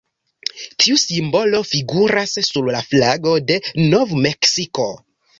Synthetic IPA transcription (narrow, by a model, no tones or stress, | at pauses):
tʰiusimbo̞lo̞fiɡuɾasːuɾlaflaɡo̞de̞no̞vme̞ksiko̞